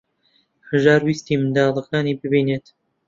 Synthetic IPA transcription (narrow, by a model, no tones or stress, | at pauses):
hɨʒɑːɾwiːst̪iːmɨnd̪ɑːlˠɨkaːniːbɨbiːneːt̪